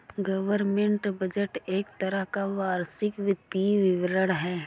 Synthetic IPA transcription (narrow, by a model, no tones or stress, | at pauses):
ɡəʋəɾmẽɳʈbəd͡ʒəʈeːkt̪əɾəɦkaʋaːɾsɪkʋɪd̪iʋɪʋɾəɽ̃ɦɛː